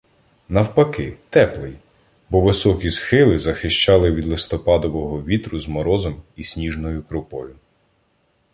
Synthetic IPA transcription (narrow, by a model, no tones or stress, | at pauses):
nɐwpɐkɪt̪ɛplˠɪj | bɔʋɪsɔkʲisxɪlˠɪzɐxɪʃt͡ʃɑlˠɪʋʲid̪lˠɪst̪ɔpɑd̪ɔʋɔɦɔʋʲit̪ɾʊzmɔɾɔzɔmisʲnʲiʒnɔjʊkɾʊpɔjʊ